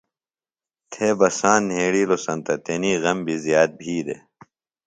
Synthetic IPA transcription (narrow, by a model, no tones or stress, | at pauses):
t̪ʰeːbɐsaːnːɦeːɽiːlosɐnt̪ɐt̪eniːɣɐmbʱizjaːt̪̚bʱiːd̪ḛ